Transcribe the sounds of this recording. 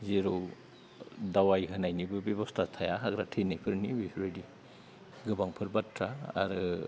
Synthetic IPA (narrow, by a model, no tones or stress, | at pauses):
ziɾow | dawajɦɯnajnibɯbeβɔstʰatʰajaɦaɡɾatʰenajpʰɯɾnibisɾojdi | ɡɯbaŋpʰɯɾbatʰɾa̰ːɾɯ